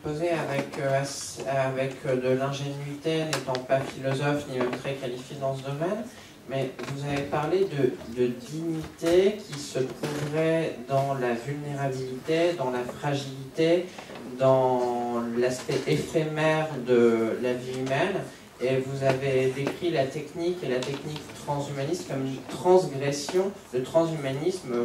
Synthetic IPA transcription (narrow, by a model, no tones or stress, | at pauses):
pozeavɛkøasavɛkʰd̪əlɛ̃ʒenɥit̪enet̪ɑ̃pafilɔzɔfnilət̪χɛkalifjed̪ɑ̃s̬əd̪ɔmɛn | mɛvuzavepaʁled̪əd̪əd̪iɲit̪ekʲʰisət̪χuvʁɛd̪ɑ̃lavylneʁabilit̪ed̪ɑ̃lafχaʒilit̪ed̪ɑ̃ | laspɛʔefemɛʁd̪əlaviymɛn | evuzaved̪ekχilat̪ɛknikelat̪ɛknikt̪χɑ̃zymanist̪kɔmnt̪χɑ̃sɡʁɛsjɔ̃d̪ət̪χɑ̃zymanism